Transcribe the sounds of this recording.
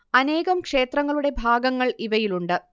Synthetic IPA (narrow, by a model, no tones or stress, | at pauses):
ɐne̞ːɣɐmkʂe̞ːt̪rɐŋːɐɭuɽe̞bʱaːɡɐŋːɐɭiʋɐjiluɳɖɨ